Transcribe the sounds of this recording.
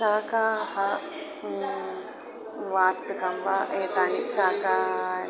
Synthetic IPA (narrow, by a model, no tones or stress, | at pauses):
akaha | ʋat̪kambaʔet̪aniʔsaːka